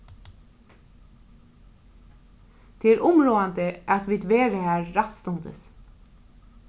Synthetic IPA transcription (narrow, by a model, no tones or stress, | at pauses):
d̪̥ʰeːæːɾʔʊmɾoːand̪əʔat̪ʋiːd̪ʋeːɾəhæːɹːat̪st̪ʊnd̪ə̰s